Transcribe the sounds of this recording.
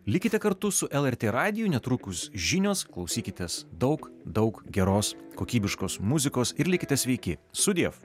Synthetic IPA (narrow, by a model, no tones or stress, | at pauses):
lʲɪkʲɪt̪ʲɛkɐɾt̪ʊsʊʔɛlˠɛɾʲt̪ʲeːɾɑːd̪ʲɪjuːnʲɛt̪ɾuːkʊsʒʲinʲoːsklˠɒʊsʲiːkʲɪt̪ʲɛsd̪ɒʊkd̪ɒʊkɡʲɛɾoːskoːkʲiːbʲɪʃkoːsmʊzʲɪkoːsɪɾlʲɪkʲɪt̪ʲɛsʲʋʲɛɪkʲɪsʊd̪ʲiɛf